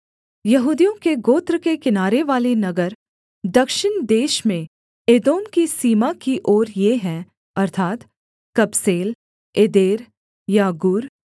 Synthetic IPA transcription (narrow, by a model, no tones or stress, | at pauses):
jɐɦuːd̪ijõkeɡoːt̪ɾkekɪnaːɾeʋaːlenɐɡəɾ | d̪ɐkʃɪnd̪eːʃmẽ | eːd̪oːmkisiːmakiʔoːɾjeɦɛ̃ | ɐɾt̪ʰaːt̪ | kɐbseːl | eːd̪eːɾ | jaɡʊːɾ